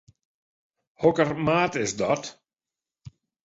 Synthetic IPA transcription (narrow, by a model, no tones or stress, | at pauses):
hɔkərmaːtɪsdɔt